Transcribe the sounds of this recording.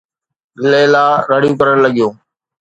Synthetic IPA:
leːlaːɾaːɽijũːkəɾəɳ̃ləɠijõː

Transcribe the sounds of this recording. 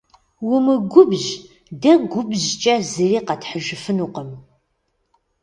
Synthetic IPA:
wʊmɨɡʷʊbʒ | dɐɡʷʊbʑt͡ʃʼɐzɨriːqɐtħəʒɪfɨnuːqəm

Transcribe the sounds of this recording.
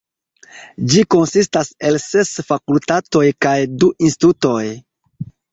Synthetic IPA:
d͡ʒiko̞nsistase̞lse̞sfakultato̞jkajduʔinsti̥tuto̞j

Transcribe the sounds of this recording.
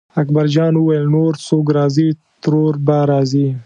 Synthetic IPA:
akbaɾd͡ʒɑnwuwajəlnoɾt͡sok̬ɾɑzi | t̪ɾoɾbaɾɑzi

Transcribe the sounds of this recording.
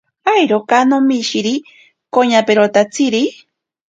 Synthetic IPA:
ajɾokanomiʃiɾi | koɲapeɾot̪at͡sʰiɾi

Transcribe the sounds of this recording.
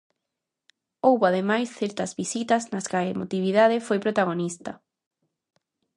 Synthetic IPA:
owβoaðemajsθɛɾt̪ɐzβisit̪ɐznɐskɐemot̪iβiðað̞ɪfojpɾot̪aɣonist̪ɐ

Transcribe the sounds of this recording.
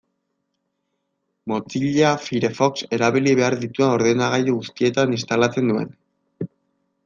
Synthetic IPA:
mo̞t͡siʎafiɾe̞fo̞kse̞ɾaβiliβe̞aɾðit̪uao̞ɾðenaɣajoɣust̪ie̞t̪anist̪alat͡se̞nd̪ue̞̰n

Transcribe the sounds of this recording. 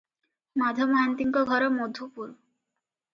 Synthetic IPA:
mad̪ʱɔmɔɦant̪iŋkɔɡʱɔɾomod̪ʱupuɾ

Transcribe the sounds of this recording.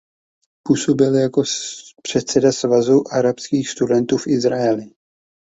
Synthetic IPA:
puːsobɪljako̞pr̝̥ɛt̪sɛdasvazuʔaɾapskiːxst̪udɛnt̪uːfʔɪzɾaɛlɪ

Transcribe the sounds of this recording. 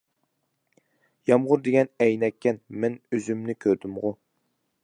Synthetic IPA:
jɑmʁʊɾd̪eɡʲɛnɛjnɛkʲːɛnmɛnøzymnɪkʲʰøɾd̪ymʁʊ

